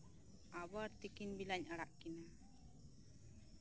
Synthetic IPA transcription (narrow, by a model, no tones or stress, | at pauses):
abaɾt̪ikiɲbilaɲaɽaʔkina